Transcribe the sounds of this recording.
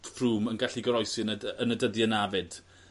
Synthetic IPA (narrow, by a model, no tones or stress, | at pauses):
fruːmənɡaɬiɡəɾɔjsɨnənədəðjənavɨd̥